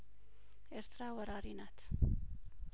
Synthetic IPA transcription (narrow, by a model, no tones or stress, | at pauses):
eɾt̪ʰɾaːwɐɾaːɾiːnaːt̪